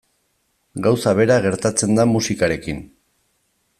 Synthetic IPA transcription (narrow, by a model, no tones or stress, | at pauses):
ɡawsaβe̞ɾaɣe̞ɾt̪at͡se̞nd̪amusikaɾe̞kin